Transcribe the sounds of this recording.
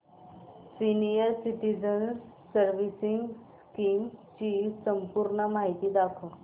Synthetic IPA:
sinijəɾsiʈ̪id͡ʑənsː | əɾʋisiŋɡs | kimt͡ɕisəmpuɾɳəmaɦit̪iːd̪akʰoɽ

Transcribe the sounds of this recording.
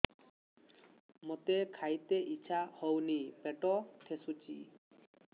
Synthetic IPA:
mot̪ekʰajt̪eʔit͡ɕɕʰahɔwnipeʈɔt̪ʰesut͡ɕʰḭ

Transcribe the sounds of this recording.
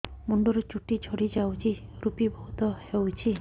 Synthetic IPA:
muɳɖɔɾɔt͡ʃuʈid͡ʒʱoɽid͡ʒawt͡ʃʰiɾupibʱɔut̪ɔhewt͡ʃʰi

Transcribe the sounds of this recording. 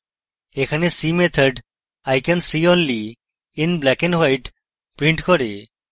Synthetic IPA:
ekʰanesimet̪ʰəɖ | ajkansiõnliː | nblɛkɛnwajʈ | pɾĩɳʈkɔɾe

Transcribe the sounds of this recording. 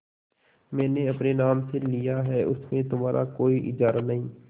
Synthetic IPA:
mɛ̃ːneɐpnenaːmselijaɦɛːʊ̰smẽt̪ʊmaːɾʔa̰koːiʔɪd͡ʒaːɾanɐɦĩː

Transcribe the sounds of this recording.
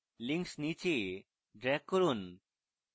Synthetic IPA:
liŋksnit͡ʃe | ɖɾɛɡ̚kːɔɾun

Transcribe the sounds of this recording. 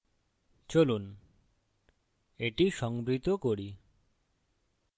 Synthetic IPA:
t͡ɕolun | eʈiʃɔŋbɾit̪okoɾi

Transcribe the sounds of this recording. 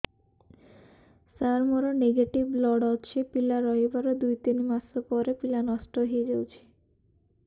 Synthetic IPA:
saɾmoɾoneɡeʈibːlɔɖɔt͡ɕʰepilaɾɔebaɾod̪ujt̪inmasopɔɾepilanɔsʈoɦeed͡ʑewt͡ɕʰi̥

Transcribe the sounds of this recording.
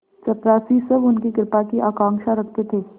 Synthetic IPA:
t͡ʃɐpɾaːsisɐbʊnkikɾɪpakiʔaːkãːŋkʃaɾɐk̚ʰt̪et̪ʰeː

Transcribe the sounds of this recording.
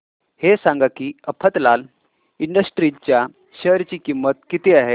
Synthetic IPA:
hesãŋɡakiːəpʰət̪lal | iɳɖəsʈɾit͡ɕja | ɕəɾt͡ɕiːkimːət̪̚kit̪eaɦe

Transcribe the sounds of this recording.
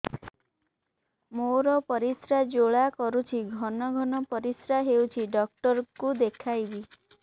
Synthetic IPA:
moɾɔpɔɾisɾad͡ʒoɭakɔɾut͡ʃʰiɡʱɔnɔɡʱɔnɔpɔɾisɾaɦewt͡ʃʰiɖɔk̚ʈɔɾkud̪ekʰajbi

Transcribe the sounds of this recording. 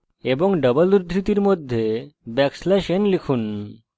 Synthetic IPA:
eboŋɖəbəluɾd̪ʱɾit̪iɾmod̪ʱːjebɛkslɛʃenlikʰun

